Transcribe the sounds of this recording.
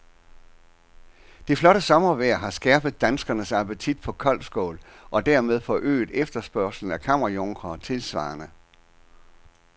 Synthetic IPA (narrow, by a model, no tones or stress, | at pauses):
d̥iflɒ̽ɾəsɒ̽mɐʋæɐ̰ɦɑ̈sɡ̥æɐb̥ð̩ˠd̥ænsɡ̥ɐnəsɑ̈pət͡sʰid̥pʰɒ̽kʰɒ̽l̰sɡ̥ɔ̰ːlʔɒ̽d̥æɐ̰með̞ˠfɒ̽ʔø̰ːɪd̥ˠefd̥ɐsb̥ɶɐ̰sl̩n̩ækʰɑm̰ʁɐjoŋɡ̥ʰʁɐt͡sʰe̝lsʋɑ̰̈ːnə